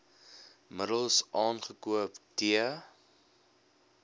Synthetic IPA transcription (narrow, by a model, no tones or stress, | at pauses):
mədəlˠsʔɑːnχəkuəptiə